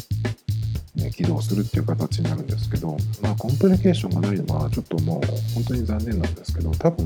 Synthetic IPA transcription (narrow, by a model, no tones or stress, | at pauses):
nḛkʲid̪o̞ːsɨɾɯ̟t̪ːeiɯ̟kat̪at͡ɕiɲ̟inaɾɯ̟̃nd̪e̞sɨ̥ke̞d̪o̞maːkõ̞mpɯɾʲike̞ːɕõ̞ŋɡanaino̞ɡa̰t͡ɕo̞t̪ːo̞moːhõ̞nt̪o̞ɲ̟izãnːe̞nːãnd̪e̞sɨ̥ke̞d̪o̞t̪abɯ̟̃